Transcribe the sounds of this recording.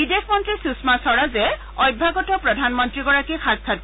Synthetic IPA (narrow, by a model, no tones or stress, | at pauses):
bidexʰmɔntɹisusmasɔɹazɛ | ɔjbʱaɡɔtɔpɹɔdʱanmɔntɹiɡɔɹakixakkʰːat̚